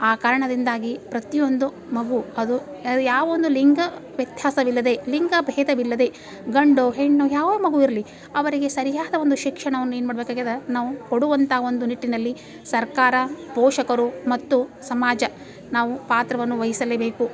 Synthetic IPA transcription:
aːkaːɾɐɳɐd̪ind̪aːɡipɾɐt̪ijo̞nd̪u | mɐɡuɐd̪uɐd̪ujaːʋɐond̪uliŋɡɐʋjɐt̪jaːsɐʋilːɐd̪e̞liŋɡɐbʱɛːd̪ɐʋilːɐd̪e̞ | ɡɐɳɖoːɦeɳːujaːʋɐmɐɡuiɾɐli | ɐʋɐɾiɡe̞sɐɾijaːd̪ɐo̞nd̪uʃikʂɐɳɐʋɐnːueːnumaːɽɐbeːkaːɡed̪ɐnaːʋukoɽuʋɐnt̪ʰɐaɐo̞nd̪uniʈːinɐlːi | sɐɾkaːɾɐpɔːʂɐkɐɾumɐt̪ːusɐmaːd͡ʒɐ | naːʋupaːt̪ɾɐʋɐnːuʋɐɦisɐlːebe̞ːku

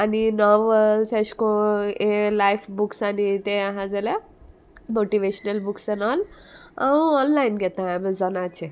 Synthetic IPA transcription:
aninɔʋseskoelajpʰbuksanit̪eaɦãd͡zala | moʈiʋeɕnəlbuksenɔl | awuɔnlainɡɛt̪ãamd͡zɔnat͡ʃʰe

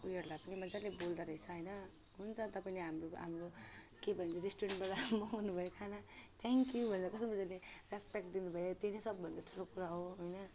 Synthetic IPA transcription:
ujʌɾlapʌnimʌd͡zalebold̪aɾʌit͡sʰʌɦʌjnʌ | ɦunt͡sʰʌt̪ʌpaineɦamroɦa̰mro | kebʱʌnt͡sʰiɾesʈuɾeɳʈbaʈamʌunubʱʌjokʰanat̪ʰeŋkjubʱʌnt͡sakʌst̪omʌd͡zaleraspek̚ʈd̪inubʱʌjet̪elesʌbːʌnd̪aʈʰulokuɾaɦoɦojnʌ

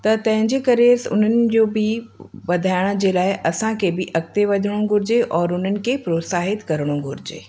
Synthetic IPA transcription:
t̪ɐt̪ɐ̃ɦɪ̃ɲd͡ʑeːkɐɾesʊ̰n̤ənɪ̆d͡ʑoːbʱɪʋɐd̪ʱaːɪɽ̃əd͡ʑeːlaːɪʔɐsãkʰebɪʔɐk̚t̪eʋɐd̪ʱəɽ̃õɡʱʊɾɪd͡ʑeʔɔːɾʊn̤ənɪ̆kʰepɾoːt̪saːɦɪt̪kɐɾəɽ̃õɡʱʊɾɪd͡ʑḛː

